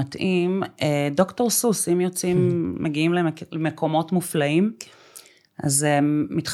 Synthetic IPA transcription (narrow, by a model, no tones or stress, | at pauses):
atʔimedo̞kto̞ʁsusimjot͡simːeɡiimlelemekʰo̞mo̞tmuflaim | ʔa̰zemitχ